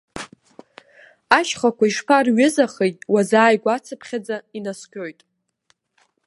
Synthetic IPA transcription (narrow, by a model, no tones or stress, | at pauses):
aʃχakʷaiʂpʰarɥɪzaχejtʼwazaːjɡʷat͡sʰɨpʰχʲad͡zainaskʲʰʼojtʼ